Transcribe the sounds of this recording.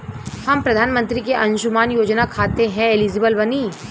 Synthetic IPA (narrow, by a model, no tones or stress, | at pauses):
hɐmpɾɐd̪ʱaːnmə̃nt̪ɾikeʔɐ̃nʃʊmaːnjoːd͡ʒnakʰaːt̪eɦɛ̃eliːd͡ʒɪbəlbɐniː